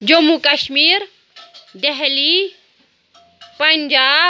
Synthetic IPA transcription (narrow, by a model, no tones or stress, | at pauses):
d͡ʒomukɐʃmiːɾ | d̪ɛɦli | pɐnd͡ʒaː